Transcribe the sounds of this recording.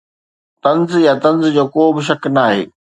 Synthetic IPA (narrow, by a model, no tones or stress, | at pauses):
t̪ɐ̃nzjat̪ɐ̃nzd͡ʑoːkoːbɪʃ̬ɐknaːɦḛː